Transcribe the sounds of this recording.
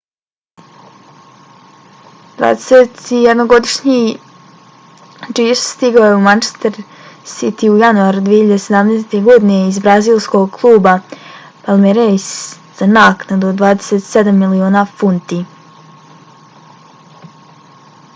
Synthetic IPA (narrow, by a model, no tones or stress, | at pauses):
d̪̥va̰ːd̪eset̪ijed̪noɡo̞d̪iʃɲi | d͡ʒiːsst̪iɡaojeumant͡ʃe̥st̪eɾ | sit̪iujanuaɾud̪ʋiːehiʎad̪ese̞d̪amneːst̪e̞ɡo̞d̪ineizbɾaziːlˠsko̞ɡkʰlˠuːba | palˠmeɾejs | z̥anaːknad̪od̪ʋaːd̪e̥set̪sed̪amːilioːnafunt̪i